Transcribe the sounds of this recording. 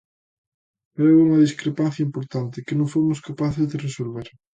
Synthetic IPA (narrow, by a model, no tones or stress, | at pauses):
pouŋɐðiskɾepanθjaɐimpoɾt̪ant̪ɪkɪnõŋfomʊskapaθɪzðɪresolβeɾ